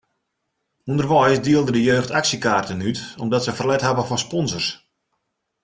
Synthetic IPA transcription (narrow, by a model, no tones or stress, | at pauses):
undərʋɔjsdiəlˠdədəjøːxtaksikaːrtənytɔmdɔtsəfərlɛtɦabəfɔspɔnsərs